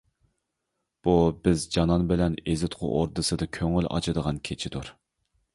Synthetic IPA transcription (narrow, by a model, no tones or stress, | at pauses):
b̥ubɪzd͡ʒɑnɑnbɪlɛnezɪt̪qʰʊ̰ʔoɾd̪ɨsɨd̪ɨkʲʰøŋylʔɑ̰t͡ʃʰɨd̪əʁɑnkʲʰet͡ʃʰɪd̪uɾ